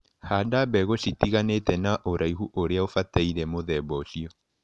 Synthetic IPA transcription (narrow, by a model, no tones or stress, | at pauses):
hadabɛɣositiɣanetɛnaʔoɾʔaihuʔoɾeaofataiɾɛmoðɛbɔʃiɔ